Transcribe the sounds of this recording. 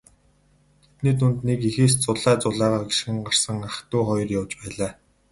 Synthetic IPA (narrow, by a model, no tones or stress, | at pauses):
t̪ʰet̪niːt̪unt̪nekixeːs̬t͡sʊɮæːt͡sʊɮaːʁaːɡiʃxɘ̆ŋɢar̥sə̆ŋaχt̪uːχɔjɞ̆rjawt͡ɕpæːɮaː